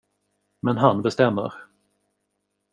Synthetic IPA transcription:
mɛnɦanbɛst̪ɛmːə̰ɾ

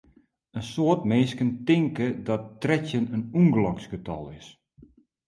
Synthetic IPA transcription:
ənsoətmeːskəntɪŋkədɔttrɛtjənənuŋɡlɔksɡətɔ̰lˠɪs

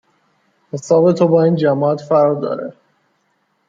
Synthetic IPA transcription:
hesɒːbe̞t̪ʰobɒːiːnd͡ʒæmɒːæt̪fæɾd̪ɒ̰ːɾḛ

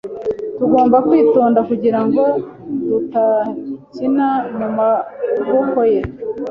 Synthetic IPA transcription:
tuɡo̞ːmbakwiːtoːndakuɟiɾaŋɡo̞ | dutacinaɲumaɡohoje

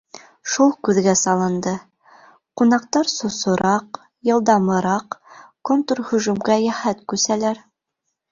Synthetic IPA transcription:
ʃulˠkʉðɡæsɑlˠɤ̆nd̪ɤ | qunɑq̚t̪ɑɾsŏsŏɾʔɑq | jɤ̆lˠd̪ɑmɤ̆ɾɑqkont̪urhɵ̆ʒʉmɡæjæhæt̪kʉsælæɾ

